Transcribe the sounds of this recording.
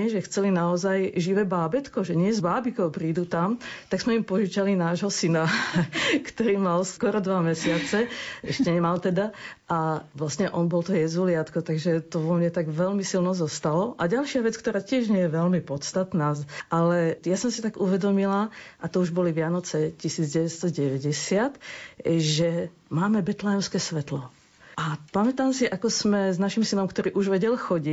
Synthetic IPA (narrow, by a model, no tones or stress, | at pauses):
ɲɛʒɛxt͡sɛlinaɔzajʒiʋɛːbaːbɛt̪kɔʒɛɲɪɛzbaːbikɔwpɾiːd̪ut̪amt̪aɡz̥mɛimpɔʒit͡ʃalinaːʒɦɔsina | kt̪ɔɾiːmalskʊɔɾɔd̪ʋamɛsɪat͡sɛʔɛʃcɛɲɛmalt̪ɛd̪aʔaʋlast̪ɲɛʔɔnbɔlt̪ɔjɛzulɪat̪kɔt̪aɡʒɛt̪ɔʋɔmɲɛt̪aɡʋɛlmisilnɔzɔst̪alɔʔaɟalʃɪaʋɛt͡skt̪ɔɾaːcɪɛʒɲɛjɛʋɛlmipɔt̪st̪at̪naːʔalɛjasɔmsit̪aɡuʋɛd̪ɔmilaʔat̪ɔuʒbɔliʋɪanɔt͡sɛcisiːd͡zɟɛʋɛst̪ɔɟɛʋɛɟɛsɪat̪ | ʒɛ | maːmɛbɛt̪lajɛmskɛːsʋɛt̪lɔ | ʔapamɛt̪aːmsiʔakɔsmɛznaʃimsinɔmkt̪ɔɾiːʔuʒʋɛɟɛlxɔɟi